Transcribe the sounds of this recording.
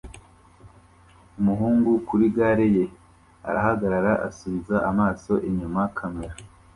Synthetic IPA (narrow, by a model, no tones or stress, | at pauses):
umuɦuːŋɡukuɾiɡaːɾeje̞ | a̰ɾa̰haɡaɾaɾaʔasuβizaʔamaːso̞ʔeɲumakʰameɾa